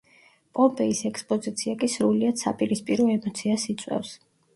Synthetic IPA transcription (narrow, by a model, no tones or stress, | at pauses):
pʼɔmpʼɛisɛkspʼɔzit̪sʰiakʼisɾuliad̪̥sa̰pʼiɾispʼiɾɔɛmɔt̪sʰiasit̪sʼwɛ̰fs